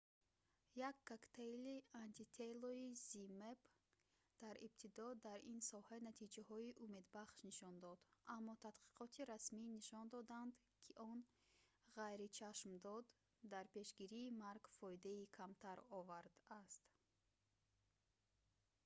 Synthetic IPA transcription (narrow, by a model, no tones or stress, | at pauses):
jakʰːakt̪ʰejliant̪ʰit̪ʰeloizimeb | d̪̥aɾḭb̚t̪ʰid̪ɔd̪aɾinsɔhanat̪ʰid͡ʒahɔiʔume̞d̪baχʃniʃɔnd̪ɔd̪ʔamːɔt̪ʰad̪qi̥qɔt̪ʰiɾasminiʃɔnd̪ɔd̪and̪ | kʰiʔɔn | ʁajɾit͡ʃʰaʃmd̪ɔd̪ː | aɾpe̞ʃɡiɾiːmaɾɡfɔid̪aikʰamt̪ʰaɾɔvaɾd̪ast̪